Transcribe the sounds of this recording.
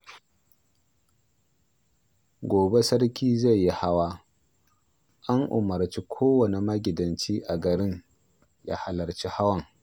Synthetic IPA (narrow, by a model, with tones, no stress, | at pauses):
ɡʷoː˨be˦sɐ˦ɽkʲiː˦za˦˨jjːi˦ha˦waː˦ | ʔa˦ŋʔʊ̰˨mɐ˨ɾt͡ʃi˦kʷʰoː˦wɐ˨ni˨mɐ˦ɡʲɪ˨dɐ˨nt͡ʃiː˦ʔa˨ɡɐ˨ɾɪ˦ɲ | ja̰ː˦ha˨lɐ˨ɾt͡ʃi˦ha˦wɐ˦ŋ